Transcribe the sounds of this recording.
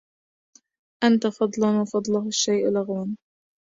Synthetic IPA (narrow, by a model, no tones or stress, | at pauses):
ʔant̪afɑd̪ˤlɑnwɑfɑd̪ˤlɑhaʃːajʔlaɣwan